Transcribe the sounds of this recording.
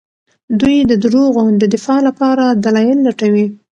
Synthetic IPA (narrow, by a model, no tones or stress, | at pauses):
d̪ujd̪əd̪ɾoɣod̪əd̪ɪfɑlapɑɾad̪alɑjɪlːaʈawi